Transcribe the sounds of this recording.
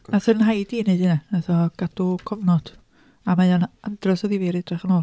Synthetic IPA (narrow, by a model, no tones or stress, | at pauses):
nasəɾənɦajdiːnejdɨnaɛθɔɡ̥ad̥ukʰɔvnɔd̥ | amajɔnandrɔsɔðiviɾɪdrɛχənoːlˠ